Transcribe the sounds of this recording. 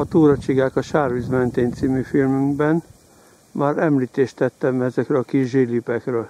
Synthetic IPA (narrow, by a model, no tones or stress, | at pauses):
ɒt̪uːɾɒt͡ʃiɡaːkɒʃaːrvizmɛnt̪eːnt̪simyfilmyŋɡbɛn | maːɾɛmliːt̪eːʃt̪ɛt̪ːɛmɛzɛkrɛɒkiʒʒilipɛkrøːl